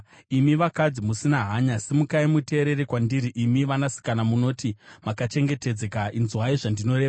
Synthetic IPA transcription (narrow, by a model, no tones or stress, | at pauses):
imiʋakad͡zimusinaɦaɲasemukaimute̞ːɾe̞rekwandiɾiʔimiʋanasi̥kanamuno̞timakat͡ʃe̞ŋɡe̞te̞d͡zekainzwaiʐandino̞ɾe̞ːʋaa